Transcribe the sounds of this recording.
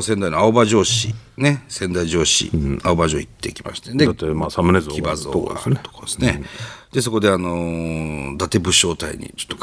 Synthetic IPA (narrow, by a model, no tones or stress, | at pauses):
send̪ainoaobaʑo̞ːɕine̞sẽ̞nd̪aiʑo̞ːɕḭaobaʑoːit̪ːe̞̰ikʲima̰ɕi̥t̪ed̪et̪ːemasamɯnezkʰibazo̰oka̰st̪o̥kaesned̪̥e̞s̬o̞ko̞d̪e̞ano̞ | d̪at̪e̞bɯ̟ɕo̞ːt̪aḭɲ̟ḭt͡ɕo̥t̪ːok